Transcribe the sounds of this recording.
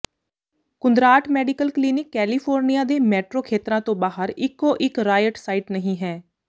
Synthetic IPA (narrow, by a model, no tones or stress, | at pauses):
kʊnd̪ɾaːʈmɛːɖɪkəlkliːnɪkːɛːliːpʰoːɾnijaːd̪eːmɛːʈɾoːkʰeːt̪ɾãːt̪õːbaːɦəɾɪkːoːʔɪkɾaːjəʈsaːɪːʈnəɦĩːɦɛː